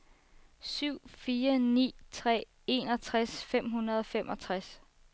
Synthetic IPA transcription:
syʊ̰fiːɐnḭːt͡sʰʁɛ̰ː | e̝nɒ̽t͡sʰʁasfem̰ɦunɐðˠɒ̽femʔɒ̽t͡sʰʁas

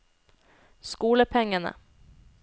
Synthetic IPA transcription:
skuːləpʰɛŋːanə̰

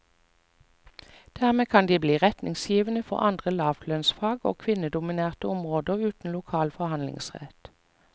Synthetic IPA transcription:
d̪̥æːʁmeːkʰɑnd̪iːbliːʁɛt̪nʔɪŋsjiːʋənəfɔ̰ʁɑnd̪ʁəlɑːʋlœnsfɑːɡo̰ːkʰʋɪnəd̪ʊmɪneːʁt̪əʊmʁoːd̪əʉːt̪n̩lʊkʰɑːlfɔhɑnlɪ̰ŋsʁɛ̰t̪

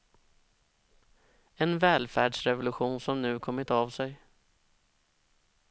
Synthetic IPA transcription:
ɛnvɛːlfæːɖʂɾɛvʊlɵɧuːnsɔmnʉ̟ːkʰɔmːɪt̪avsɛj

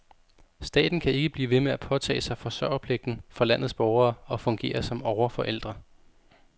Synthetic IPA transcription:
sd̥ɛ̰ːd̥n̩kʰæe̝ɡ̥əb̥lḭːʋe̝meæpʰɒ̽t͡sʰɛ̰ːsɑ̈ɪfɒ̽sɶɐ̰ɐpʰle̝ɡ̥̚d̥n̩fɒ̽læn̰ð̞̩ˠsb̥ɒʊɐːɒ̽fɔ̽ŋɡ̥e̝̰ːɐsɒ̽mɒʊɐfɒ̽ʔel̰d̥ʁɐ

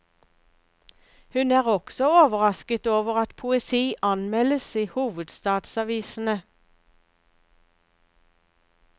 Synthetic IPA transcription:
hʉnæːʁɔksɔoːʋəʁɑskət̪oːʋəʁɑt̪pʰʊɛsiːʔɑnmɛləsiːhuːʋəd̪st̪ɑːd̪sɑʋiːsn̩ə

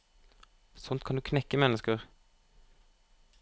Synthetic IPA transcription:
sɔnt̪̚kʰɑnd̪ʉːkʰnɛkːəmɛnːəskəʁ

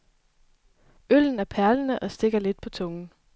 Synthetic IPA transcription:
øl̰n̩æɐpʰæɐlənəʔɒ̽sd̥e̝ɡ̥ɐle̝d̥̚pʰɒ̽t͡sʰɔ̽ŋn̩

